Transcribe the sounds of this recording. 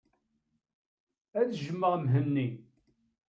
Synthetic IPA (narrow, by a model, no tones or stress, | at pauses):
æðʒəmːəʁmɦənːi